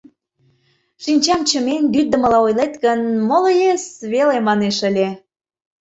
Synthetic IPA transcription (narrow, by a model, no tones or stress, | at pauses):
ʃinʲt͡ɕɑmt͡ɕəmenbyd̪ə̆mə̆lɑojlet̪ɣənmoləjesβelemɑneʃəlʲe